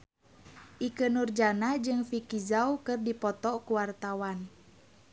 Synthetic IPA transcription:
ʔikənurd͡ʒanad͡ʒɨŋfikizaukɨrdipɔt̪ɔkuwart̪awan

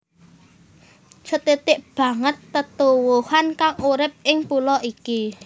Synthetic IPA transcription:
t͡ʃət̪et̪ɪʔb̥ä̤ŋət̪ːət̪uwuhankaŋuɾɪp̚ɪŋpulɔʔiki

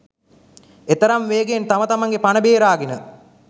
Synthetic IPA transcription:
et̪əɾamʋeːɡent̪amət̪amaŋɡepanəbeːɾaːɡenə

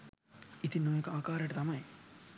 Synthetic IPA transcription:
it̪inːoːjɐkaːkaːɾjʈɐt̪ɐmɐj

